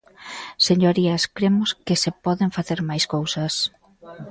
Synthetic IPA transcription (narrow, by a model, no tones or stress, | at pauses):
seɲoɾiɐskɾemʊskɪsepɔðeɱfaθeɾmajskowsɐs